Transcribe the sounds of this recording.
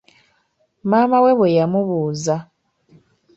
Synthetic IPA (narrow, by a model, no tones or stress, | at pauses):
maːmawe̞βwejamuβuːza